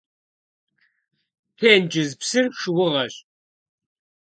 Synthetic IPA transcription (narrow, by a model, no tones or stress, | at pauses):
tʰeːnd͡ʒʼɪzpsɨrʂɨwʊʁɐɕʼ